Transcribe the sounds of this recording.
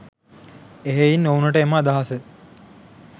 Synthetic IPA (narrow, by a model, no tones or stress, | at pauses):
eɦeinːownəʈəemaːd̪aɦasə